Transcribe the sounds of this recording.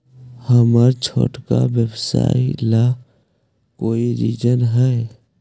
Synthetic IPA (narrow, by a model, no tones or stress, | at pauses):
həməɾt͡ʃʰo̰ʈkabjəbsa̰ːila | koːiɾid͡ʒənɦɛ